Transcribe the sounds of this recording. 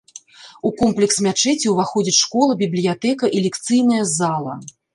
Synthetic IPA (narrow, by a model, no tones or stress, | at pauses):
ukɔmplʲɛksmʲat͡ʂɛt͡sʲiwvaxɔd͡zʲit͡sʲʂkɔlˠɐbʲiblʲijat̪ɛkɐʔilʲɛkt̪sɨjnɐjɐzalˠɐ̰